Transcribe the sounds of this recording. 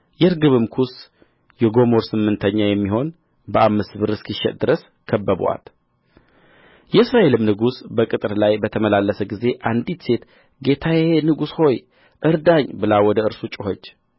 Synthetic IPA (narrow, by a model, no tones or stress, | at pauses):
jɛɾɡɨβɨmkʰus | jɛɡo̞moɾsɨmːɨnt̪ʰəɲːajɛmːiɦo̞n | bəʔamːɨstbɨɾɨskʰiʃːɛ̰t̪̚ʼd̪ɨɾəs | kʰəbːəb̰a̰t̪ | jɛɨsɾaʔe̞lɨmnɨɡusbəkʼɨt̪ʼɨɾlajbət̪ʰəməlalːəsəɡize̞ʔand̪it̪se̞t̪ | ɡe̞t̪ʰajɛenɨɡusho̞j | ʔɨɾd̪aɲːbɨlawɔd̪əɨɾsut͡ʃʼɪhot͡ʃː